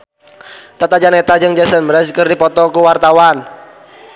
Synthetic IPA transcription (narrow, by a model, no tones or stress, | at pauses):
t̪at̪ad͡ʒanet̪ad͡ʒɨŋd͡ʒɛsənmɾɛskɨrdipɔt̪ɔkuwart̪awan